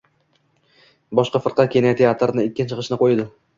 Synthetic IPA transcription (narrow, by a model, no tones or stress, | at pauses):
bɒʃqɑfɨɾqʰɑt̪̚kʲenat̪ʰeat̪ʰɾnɪɪkʲːɪnt͡ʃʰɨqʰɨʃnɪqʰojd̪ɪ